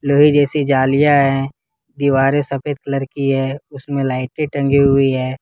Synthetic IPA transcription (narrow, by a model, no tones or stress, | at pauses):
loːɦid͡ʒɛːsid͡ʒaːlijaɦɛ̃ | d̪iːʋaːɾesɐpʰeːd̪̚kləɾkiɦɛːʊsmẽlaːɪʈeʈɐ̃ŋɡiɦʊiɦɛː